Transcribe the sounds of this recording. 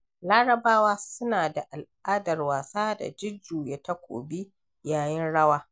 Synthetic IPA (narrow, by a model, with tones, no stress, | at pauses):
laː˦ɽɐ˨baː˦waː˦sʊ˦naː˨da˨ʔa˨lʔaː˦dɐ˨rwaː˨saː˦da̰˨d͡ʒɪ˦d͡ʒuː˨je˦ta˦kʷo̰ː˨bi˦ | jaː˨jɪ˦nɽɐ˦waː˦